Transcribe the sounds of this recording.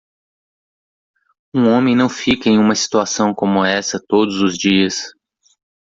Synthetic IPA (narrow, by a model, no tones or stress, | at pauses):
ũõmẽj̃nɐ̃w̃fikɐẽj̃ũmɐsi̥t̪uasɐ̃w̃kõmʊɛsɐt̪od̪ʊzʊzd͡ʒiɐs